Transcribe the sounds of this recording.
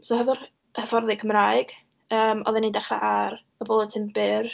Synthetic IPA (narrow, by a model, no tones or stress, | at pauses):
sohɛvʊr | həvɔrðɨkʰəmraɨɡ̥ | əːmɔ̰ðɛnidɛχra̰ʔaɾ | əbɔlˠətʰɪmbɪr